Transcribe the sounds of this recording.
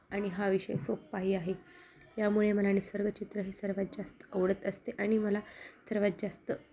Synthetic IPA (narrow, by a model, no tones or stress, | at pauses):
aɽ̃iɦaʋiɕə̰jsoppaɦiːaɦe | jamuɭeməlanisəɾɡət͡ɕit̪ɾəɦisəɾʋat̪̚d͡ʑast̪ə̥əʋɽət̪əst̪eʔaɽ̃iməlasəɾʋat̪̚d͡ʑast̪ə